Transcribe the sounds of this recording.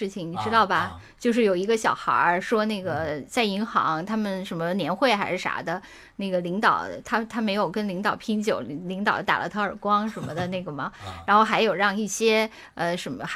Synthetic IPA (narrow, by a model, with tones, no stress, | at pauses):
ɻ̩˥˩t͡ɕʰi˩ŋni˨˩ʈ͡ʂɻ̩˥t̪ɑ˥˩ʊbɐ˩ | t͡ɕjo˥˧ʊʂ̬ɻ̩˥˩jo˨˩ʊi˧˥ɡə˧ɕjɑ˨˩ʊxɐ̰˞˧˥ʂwɔ˥na˥˩ɡə˩t͡sa˥˩ɪi˧˥ŋxɑ̰˧˥ŋt̪ʰa˥mə˨nʂə˧˥nmə˧njɛ˧˥nxwe˥˩ɪxa˧˥ɪʂɻ̩˥˩ʂa̰˧˥d̪ə˧ | na˥˩ɡə˩li˧˥ŋt̪ɑ˨˩ʊt̪ʰa˥t̪ʰa˥me˧˥ɪjo˨˩ʊkə˥nli˧˥ŋt̪ɑ˨˩ʊpʰi˥ŋt͡ɕjo˨˩ʊ˧li˧˥ŋt̪ɑ˨˩ʊt̪a̰˨˩lʔə̰˦t̪ʰɤ˥ə˞˨˩kwɑ˥ŋʂə˧˥nmə˧d̪ə˨na˥˩ɡə˩mɐ˩ɻa˧˥nxo˥˩ʊxa˧˥ɪjo˨˩ʊɻɑ˥˧ŋi˥˩ɕjɛ˥ | ə˧ʂə˧˥mə˧x